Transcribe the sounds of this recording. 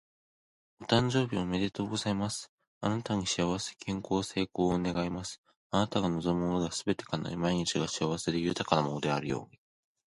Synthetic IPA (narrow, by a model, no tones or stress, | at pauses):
ot̪ãɲ̟d͡ʑo̞ːbʲimame̞d̪e̞t̪oːɡo̞zaimasɨ̥ | anat̪aɲ̟iɕiaβ̞ase̞̥kʰẽ̞ŋko̞ːse̞ːko̞ːone̞ɡaimasɨ̥ | anat̪aɡano̞zo̞mɯod̪easɨbe̞t̪e̞̥kana̰imaiɲ̟it͡ɕiɡaɕiaβase̞ɾɯjɯ̟t̪akanamonod̪e̞aɾɯ̟jo̞̰ːɲ̟i